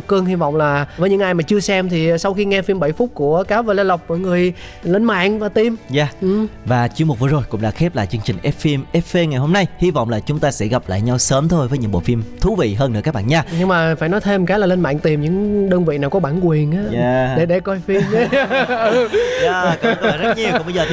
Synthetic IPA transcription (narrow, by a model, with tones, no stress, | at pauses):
k͡p̚kɨ˧əŋɦi˧vɔ̰˧˨wŋ͡mlaː˨˩vəː˨˦jɲɨ̰˧˥ŋʔːjmaː˨˩t͡ɕɨ˧əsɛ˧mt̪ʰi˨˩sa˧wxi˧ŋɛ˧fi˧mɓə̰˧˨jfu˦˥t̚ku˧˩əkaː˨˦vəː˧˩la˧lə˨˩wk͡p̚vəː˧˩jŋɨ˨˩əj | lə˧nma̰ː˧˨nvaː˨˩t̪i˨˩mzaː˧˩ʔɨ˨˩vaː˨˩t͡ɕɨ˧əŋmo˨˩t̚vəː˨˩zo˨˩jkʊ̰˧˥ŋ͡mɗa̰ː˧˥xɛ˦˥p̚laː˨˩t͡ɕɨ˧əŋt͡ɕï˨˩ŋ̟ʔɛ˦˥fi˧mʔɛ˦˥fe˧ŋa˨˩jɦo˧mna˧jhi˧vɔ̰˧˨wŋ͡mlaː˨˩t͡ɕʊ˨˦ŋ͡mt̪aː˧sɛ̰˧˥ɣa˨˩p̚la̰ː˧˨jɲa˧wsəː˨˦mt̪ʰo˧jvəː˨˦jɲɨ̰˧˥ŋɓo̰˧˨fi˧mt̪ʰu˨˦vḭ˧˨ɦəː˧nɨ˧˥ka˦˥k̚ɓa̰ː˧˨ɲaː˧ɲɨ˧ŋmaː˨˩faː˧˩jnɔ˨˦jt̪ʰe˧mkaː˨˦laː˨˩lə˧nma̰ː˧˨ŋt̪i˨˩mɲɨ̰˧˥ŋɗəː˧ŋvḭ˧˨naː˨˩wkɔ˨˦ɓaː˧˩nkwi˨˩ənʔaː˨˦ɗe˧˩ɗe˧˩kɔ˧jfi˧m˧ | za˧˨˧zə˦˥t̚ɲi˨˩wʊ˧˥ŋ͡mɓə˧jzəː˨˩